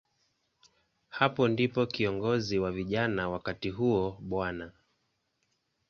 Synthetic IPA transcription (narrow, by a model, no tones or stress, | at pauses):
hapɔndipɔkiɔŋɡɔziwaviʄanawakatiɦuɔɓwana